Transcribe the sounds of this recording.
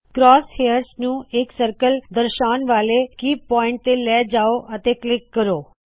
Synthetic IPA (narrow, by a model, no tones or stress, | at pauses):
kɾɔːshejəɾsnũeksəɾkəld̪əɾʃaːnʋaːlekiːpɔ̃ːɪ̃ɳʈ̚t̪elɛːd͡ʒaːoʔət̪eklɪkːəɾoː